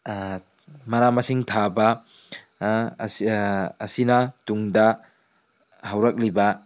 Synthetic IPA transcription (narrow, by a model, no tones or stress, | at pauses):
mɐnamɐsiŋtʰabɐ | sː | sinɐtuŋdɐ | hɐwɾɐk̚libɐ